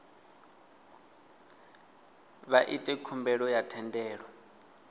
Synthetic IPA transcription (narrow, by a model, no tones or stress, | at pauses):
βaʔitʼɛkʰumbɛɺɔjatʰɛndɛːɺwɔ